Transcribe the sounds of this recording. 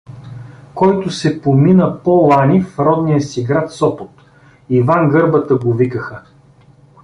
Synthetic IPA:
kɔjt̪ʊsɛpominəpolˠanifɾɔd̪nijəsiɡɾat̪sɔpot̪ | ivanɡɤɾbət̪əɡovikəxə

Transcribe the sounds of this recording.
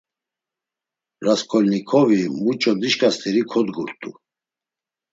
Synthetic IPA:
ɾaskʰɔlnikʰɔvimut͡ʃʼɔd̪iʃkʼast̪ʰʼiɾikʰɔd̪ɡuɾt̪ʼṵ

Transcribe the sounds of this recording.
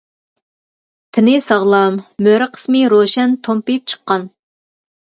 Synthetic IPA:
t̪ʰɪnɪsɑʁlˠɑmːøɾɨqʰə̥smɨɾoʃɛnt̪ʰompip̚t͡ʃʰə̥qːɑn

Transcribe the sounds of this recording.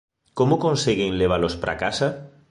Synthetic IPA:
komokõnseɣenleβ̞alospɾʔa̰kasa

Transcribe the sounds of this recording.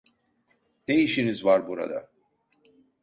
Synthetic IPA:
d̪̥ejiʃinizvaɾbuɾa̰d̪a̰

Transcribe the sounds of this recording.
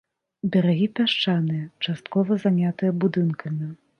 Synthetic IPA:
bʲɛɾaɣʲipʲaʂt͡ʂanɨjɐt͡ʂast̪̚kɔvɐzanʲat̪ɨjɐbud̪ɨnkʰɐmʲi

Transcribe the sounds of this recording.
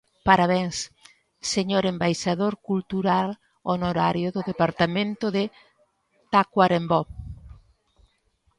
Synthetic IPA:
paɾaβeŋs | seɲoɾembajʃaðoɾkult̪uɾal | onoɾaɾjoðʊðepaɾt̪amẽnt̪ʊðɪ | t̪akwaɾembɔ

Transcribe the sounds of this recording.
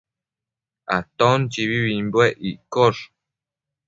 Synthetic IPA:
a̰t̪ont͡ʃiβiβimbweʔiʔkor

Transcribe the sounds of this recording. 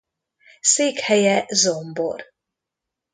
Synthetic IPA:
seːkhɛjɛzombo̰r

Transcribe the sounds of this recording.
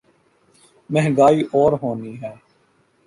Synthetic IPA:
mɛɦɡaːiːʔɔːɾɦoːniɦɛː

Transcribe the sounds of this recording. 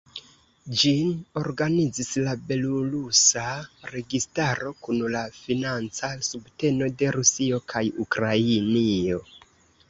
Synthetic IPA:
d͡ʒino̞ɾɡanid͡zislabe̞luɾusaɾe̞ɡistaɾo̞kunlafinant͡sasubte̞no̞de̞ɾusio̞kʰajukɾainio̞

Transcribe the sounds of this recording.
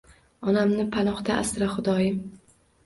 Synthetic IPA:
ɒnamnɪpʰanɒχd̪aʔasɾaχʊd̪ɒjɪm

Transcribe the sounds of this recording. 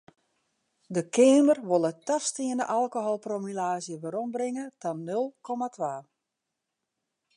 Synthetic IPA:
dəkʰɪəmərʋolˠətafstiənəʔalˠkoɦolˠpromylaːzjəʋəɾɔmbrɾɪŋətannːølˠkʰɔmatʰʋaː

